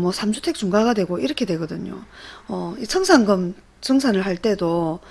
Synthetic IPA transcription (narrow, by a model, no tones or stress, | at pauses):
mwʌsʰamd͡ʑʰutʰe̞k̚t͡ɕuŋɡaɡadwe̞ɡoiɾʌkʰe̞dwe̞ɡʌdɯɲo̰ʌisʰʌŋsʰaŋɡɯm | t͡ɕʰɯŋsʰanɯɭhaɭt͈e̞do